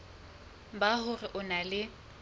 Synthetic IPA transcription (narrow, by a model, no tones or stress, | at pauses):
bahʊrɪʔʊnalɪ